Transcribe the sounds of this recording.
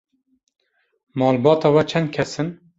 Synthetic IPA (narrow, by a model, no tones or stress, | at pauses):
mɑːlbɑːt̪ɑːwɛt͡ʃʰɛnd̪̚kʲʰɛsɨn